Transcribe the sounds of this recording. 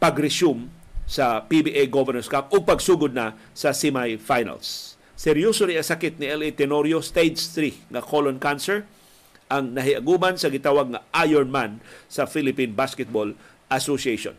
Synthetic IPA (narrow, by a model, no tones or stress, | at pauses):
paɡɾɛsʊm | sɐpibiʔejɡovɛnɛɹskap̚ʊɡ̚pɐɡsuːɡʊd̪̚na | sɐsɪmajfajna̰lsː | ɛɾjosoɾiɐsakɪt̪̚nɪʔɛlit̪ɛnoɾjost̪ejd̪st̪ɾiŋɐkolonkansɛl | ʔɐŋnɐɦɪʔɐɡumansɐɡɪt̪awaɡ̚ŋaʔajɛɹnmansɐfilɪpinbaskɛt̪̚bol | ʔasosiejʃo̰n